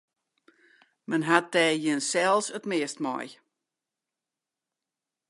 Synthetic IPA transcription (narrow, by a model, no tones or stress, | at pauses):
mənɦat̚dɛːjɪnsɛlˠsətmɪəstmɔ̰j